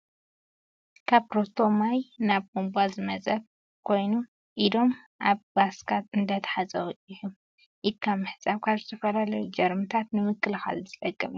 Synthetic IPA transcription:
kʰaβpɾo̞t̪ʰo̞majnaβkumbazɨmɐzʼɐβ | kʰo̞jnu | ʔid̪o̞m | ʔaβbaskʰat̪ɨnd̪ɐt̪ʰɐ̥ħazʼɐwʔʼiħum | ʔɪkʰːamɨħɨsʼaβkʰaβzɨt̪ʰɐfɐlalɐjud͡ʒɐɾmɨt̪ʰat̪nɨmɨkːɨlɨxa̰lzɨt̪ʼɐkʼːɐmiu

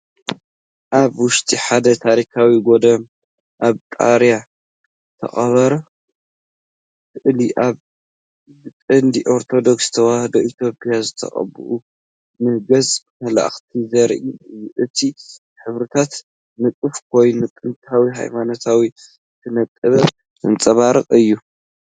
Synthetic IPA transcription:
ʔaβwʊʃt̪ʼiħad̪ɐt̪ʰaɾikʰawiɡo̞d̪ɐ | ʔaβt̪ʼa̰ɾja | t̪ʰɐ̰χʼɐβɐɾɐ | kʰɨʔliʔaβ | zɨkʼɨnd̪iʔo̞ɾt̪ʰo̞d̪o̞kst̪ʰɐwahɐd̪oʔit̪ʰjo̞pʼjazɨt̪ʰɐ̰χʼɐ̰bɨ̰ʔu | mɨhɡɐz | mɐla̰ʔxt̪ʰizɐɾʔiɨjːuʔɨt̪ʰi | ħɨβɾɨt̪ʰat̪ | nɨkʼɨfk̚ʰo̞jnut̪ʼɨnt̪ʰawiɦa̰jmanot̪ʰawi | t̪ʰɨnɐt̪ʼːɨβɐ | ɨnt͡sʼɐβaɾɨkʼɨjːu

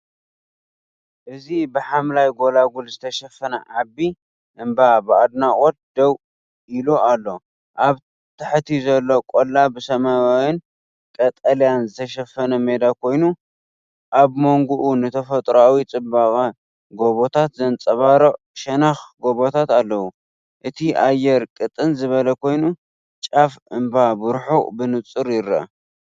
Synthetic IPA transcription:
ʔɨzibɨħamlajɡo̞laɡulzɨt̪ʰɐʃɐfːɐnɐʕabːi | ʔɨmbabɨad̪nakʼot̪̚d̪ɐw | ilualːo̞ | ʔaβ | t̪ʰɨħt̪ʰizɐlːo̞kʼolːabɨsɐmawawɪn | kʼɐt̪ʼɐljanzɨt̪ʰɐʃɐfɐnɐme̞d̪akʰo̞jnu | ʔaβmo̞ŋɡuʔunɨt̪ʰɐfɐt̪ʼɾawit͡sʼɨbakʼa | ɡo̞βo̞t̪ʰat̪zɐnt͡sʼɐβaɾo | ʃɐnaxɡo̞βo̞t̪ʰat̪alːɐwu | ʔɨt̪ʰiʔajːɛɾkʼɨt̪ʼɨnzɨβɐlɐkʰo̞jnu | t͡ʃʼafɨmbabɨɾħubɨnɨt͡sʼɨɾjɪɾːɐ̰

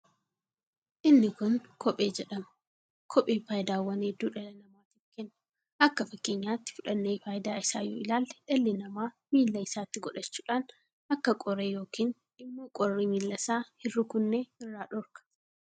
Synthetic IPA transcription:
ʔɪnːɪkʊnkʰɔpʼeːd͡ʒɛᶑɐmʊ | kʰɔpʼiːfaːjɪd̪aːwɐned̪uːᶑɐlɛnɐmaːt̪iːfkɛnːʊ̥ | ʔɐkːɐfɐkːeɲːaːt̪ːɪ̥fʊᶑɐnːeːfaːjɪd̪aːɪsaːjɔ̰ːɪlaːlːᶑɐlːɛnɐmaː | miːlːɐɪsaːt̪ːɪɡɔᶑɐt͡ʃːuːᶑaːn | ʔɐkːɐkʼɔɾeːjo̞ːkiːn | ɪmːokʼɔrːiːmiːlːɐsaːhɪrːʊkʊnːeɪrːaːᶑɔɾkɐ̥

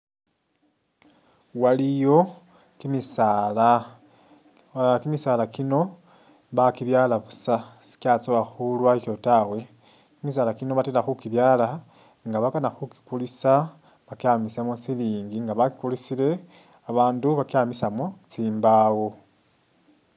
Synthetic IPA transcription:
walijo̞ | kimisala | kimisalakino̞ | βakiβjaːlaβusasi̥kat͡soaxulwaikotawe̞ | kimis̬aːlakino̞βatelaxukiβjaːla | ŋɡaβakanaxuki̥kulisa | βakjamisemot͡siliːŋɡiŋɡaβaki̥kulisile̞ | aβaːnduβakamisamot͡siːmbawo

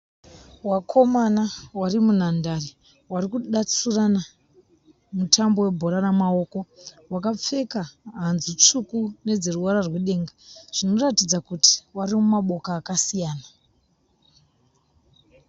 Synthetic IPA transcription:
wakʰo̞manawarimunandari | warikuɗat͡surana | mutʰambo̞we̞bʱo̞ɾaramao̞ːko̞ | wakap͡fe̞kaɦanzut͡ʂukune̞d͡zeruwaɾarweɗe̞ːŋɡaʐ̥ino̞ratid͡zakuti̥waɾimumaɓo̞kaːkasijaːna

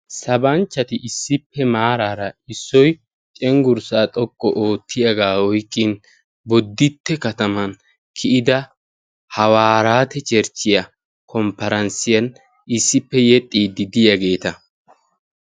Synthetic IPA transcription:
sɐbɐnt͡ʃːɐt̪ɪʔɪsːɪpːɛmaːɾaːɾɐɪsːɔj | t͡ʃʼɛŋɡʊɾsaːt̪ʼɔkʼːɔʔo̞ːt̪ʰːɪjɐɡaːwɔjkʼːɪn | bɔd̪ːɪt̪ːɛkɐt̪ɐmɐn | kʰɪʔɪd̪ɐ | hɐwaːɾaːt̪ɛt͡ʃʼɛɾt͡ʃːɪjɐ | kʰɔmpːɐɾɐnsɪjɐn | ɪsːɪpːɛjɛt̪ʼːiːd̪ɪd̪ɪjɐɡe̞ːt̪ɐ

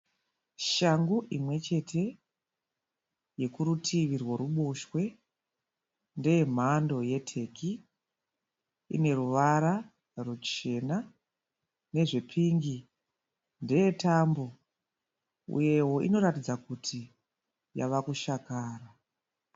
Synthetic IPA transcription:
ʃaŋɡuʔimwe̞t͡ʃe̞tʰe̞ | je̞kuɾutʰiʋirwoɾuɓoʃwe̞ | nde̞jem̤ando̞je̞tʰe̞ki | ḭne̞ruʋaɾa | rut͡ʃe̞na | ne̞ʐe̞pʰiŋɡi | ndeje̞tambo̞ | ṵje̞wo̞ḭno̞ɾatid͡zakutʰi | ja̰ʋakuʃakaːra

